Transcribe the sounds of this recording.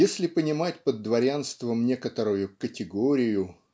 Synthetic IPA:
jesʲlʲɪpənʲɪmatʲpəd̪ːvɐɾʲanst̪vəmnʲe̞kət̪əɾʊjʊkətʲɪɡoɾʲɪjʊ

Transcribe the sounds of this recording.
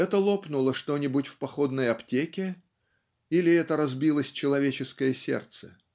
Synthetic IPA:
ɛt̪əlˠo̞pnʊlˠəʂt̪o̞nʲɪbʊtʲfpɐxo̞d̪nəjɐptʲekʲɪ | ilʲɪɛt̪əɾɐzbʲilˠəsʲt͡ɕɪlˠɐvʲet͡ɕɪskəjəsʲe̞̰rt̪sə̥̰

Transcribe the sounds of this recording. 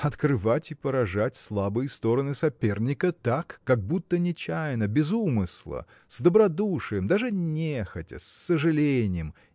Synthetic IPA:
ɐt̪kɾɨvatʲɪpəɾɐʐatʲslˠabɨjəst̪o̞ɾənɨsɐpʲe̞rnʲɪkət̪akːɐɡ̚but̪ːənʲɪt͡ɕæjnəbʲɪzumɨslˠə̰ | zd̪əbɾɐd̪uʂɨjəmd̪aʐɨnʲexətʲɪ̰sːəʐɨlʲenʲɪjəm

